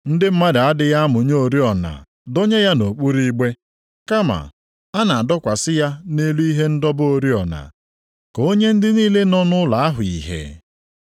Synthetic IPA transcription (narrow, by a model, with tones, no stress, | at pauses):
n̩˦dɪ˦m̩˦ma˦da˨a˦dɪ˨ja˦mʊ˨ɲo˨ɾi˦ɔ˨na̰˨ | do˦ɲe˦ja˦no˨k͡pu˦ɾi˦ɡ͡be˦ | ka˦ma̰˨ | a˦na˨a˨dɔ˦kʷa˨sɪ˦ja˦ne˦lu˦i˦ɦe˦n̩˦dɔ˦bo˦ɾi˦ɔ˨na̰˨ | ko˦ɲe˦n̩˦dɪ˦niː˦le˦nɔ˦nʊ˦la˨a˦ɦʊ˨i˨ɦḛ˨